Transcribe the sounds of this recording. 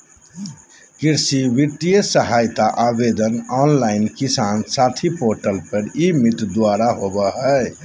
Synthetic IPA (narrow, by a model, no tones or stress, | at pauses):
kiɾsiʋiʈijəsəɦaːjt̪aʔabed̪ənɔːnlaɪnkisaːnsat̪ʰipoɾʈəlpəɾimit̪d̪waɾaɦobəɦə